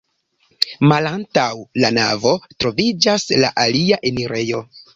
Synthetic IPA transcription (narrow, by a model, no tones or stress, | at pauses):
malantawlana̰vo̞tɾo̞vid͡ʒasla̰ʔaliaʔe̞niɾe̞jo̞